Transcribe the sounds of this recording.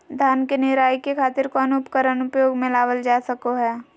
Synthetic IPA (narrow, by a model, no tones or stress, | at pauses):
d̪ʱaːnkenɪɾaːikekʰaːt̪ɪɾkɔːnʊpkəɾənʊpjoːɡmɪ̃laːʋəld͡ʒaːsəkoɦɛː